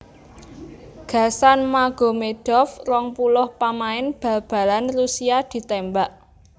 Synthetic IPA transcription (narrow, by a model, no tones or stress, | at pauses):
ɡ̥ä̤sanmaɡ̥o̤meɖ̥ɔfrɔŋpulʊhpamaɪnb̥a̤b̥a̤lanrusiad̪̥i̤t̪ɛmbaʔ